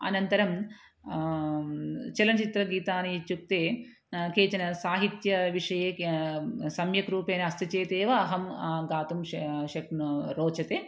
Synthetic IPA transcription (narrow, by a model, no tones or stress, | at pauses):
ɐ̰nɐnt̪ɐɾɐm | t͡ʃɐlɐnt͡ʃit̪ɾɐɡiːt̪aːnit͡ʃuk̚t̪eː | keːt͡ʃɐnɐsaːɦit̪jɐʋiʂɐjeː | sɐmjɐkɾuːpeːniɐst̪it͡ʃeːt̪eːʋɐːɦɐmɡaːt̪umʃɐknɾoːt͡ʃɐt̪eː